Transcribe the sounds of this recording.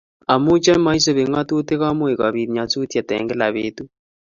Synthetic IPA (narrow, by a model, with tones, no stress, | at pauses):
a˨mu˦t͡ʃa˦ma˦i˦so˦βe˨ŋa˦tu˦te˦ɣa˦mwe˨ka˨βi˨ɾi˨ɲa˨t͡su˦tja˨tɛ̰˨ŋɡɛ˦la˨βetu˦